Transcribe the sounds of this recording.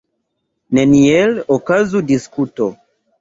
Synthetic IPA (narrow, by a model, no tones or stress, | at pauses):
nenielokazudiskuto